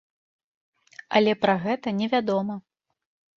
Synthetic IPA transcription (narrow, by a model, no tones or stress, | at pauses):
ɐ̰lʲɛpɾaɣɛt̪ɐnʲɛvʲad̪ɔmɐ